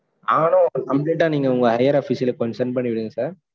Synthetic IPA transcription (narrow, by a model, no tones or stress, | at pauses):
aːnõkɐmpleːʈːaːniːŋɡɐʊŋɡɐɦɐjɐɾɐfiːsɪlɐkɔnsɐɾnpɐɳːiʋɪɽɯŋɡɐsaːɾ